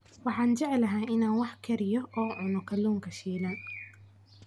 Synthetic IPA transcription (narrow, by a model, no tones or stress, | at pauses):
wɑħɑːnt͡ʃɛʕɛlɐɦaːɪnaːnwɑħkʰɛɾɪjɔɔːʕʊnɔkʰɐluːŋkʰɐʃiːlaːn